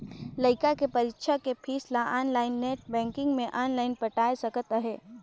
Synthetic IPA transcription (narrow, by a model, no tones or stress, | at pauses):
lɐɪkakepɐɾɪkʃakepʰiːslaʔaːnlaːɪnːeːʈ̚bɛ̃ːŋkɪ̃ŋɡmẽʔaːnlaːɪnpɐʈaːesɐkət̪aɦɛː